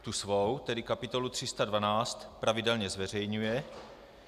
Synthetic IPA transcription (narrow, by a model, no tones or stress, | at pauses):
t̪usvowt̪ɛdɪkapɪt̪o̞lut̪r̝̥ɪst̪advanaːt͡st̪pɾavɪdɛlɲɛzvɛr̝ɛjɲujɛ